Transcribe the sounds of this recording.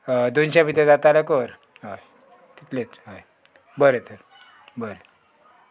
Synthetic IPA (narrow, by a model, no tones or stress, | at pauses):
d̪onɕapit̪̬ẽd͡zat̪alakoɾ | ɦaj | t̪it̪let͡sɦaj | bəɾet̪əɾ | bəɾe